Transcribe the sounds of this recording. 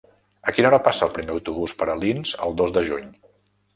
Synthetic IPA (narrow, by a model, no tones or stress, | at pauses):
əkinɔɾəpasəːlˠpɾimeəwt̪uβ̞uspəɾəlinz̥ə̰lˠd̪ozd̪əʒuɲ